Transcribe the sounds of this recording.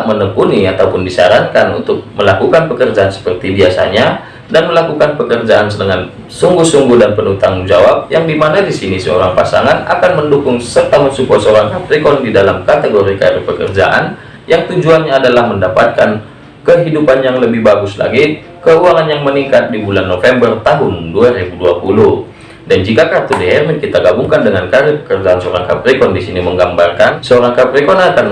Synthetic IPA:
mənəpuniat̪aupʊndisaɾaŋkanṵnt̪ʊk̚məlakukanpəkərd͡ʒaansə̥pərt̪ibiasa̰ɲa | danməlakukanpəkərd͡ʒaʔansədəŋan | suŋɡuhsuŋɡʊhdanpənunt̪aŋund͡ʒawap̚jaŋdimanadisinisəo̰ɾaŋpa̰sa̰ŋana̰kanməndukʊŋsət̪aɦʊnsukɔsəoɾaŋapɾikɔndidalamkat̪eɡoɾika̰ɾɛpəkərd͡ʒa̰ʔa̰n | jaŋt̪ud͡ʒuanɲaːdalahməndapat̪̚kan | kəɦidupanjaŋləbɪhbaɡʊsla̰ɡi | kəuaŋanjaŋməniŋkat̪̚dibulanːofɛmbərt̪aɦʊnduaɾibuduapuluh | dand͡ʒikakat̪udeɛrmɛnkit̪aɡabuŋkandəŋankaɾɪpə̥kərd͡ʒaansəoɾaŋka̰pɾikɔndisiniməŋɡambarkansəoɾaŋkapɾikɔnakan

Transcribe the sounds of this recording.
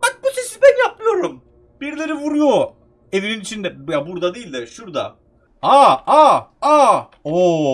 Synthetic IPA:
bak̚buse̞sizbænjap̚mˠɯjo̞ɾum | b̥iɾlʲe̞ɾivuɾujo | e̞vininit͡ʃʰind̪ɛjabuɾd̪ad̪ejilʲd̪ɪʃuɾd̪a̰ | aaa | o

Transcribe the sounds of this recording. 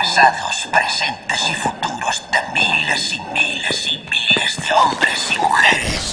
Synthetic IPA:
asaðʊ̰spɾesent̪ɪsɪfut̪uɾʊst̪ɐmilɪsimilɪsimilɪzðɪɔmbɾɪsimṵxɛɾɪs

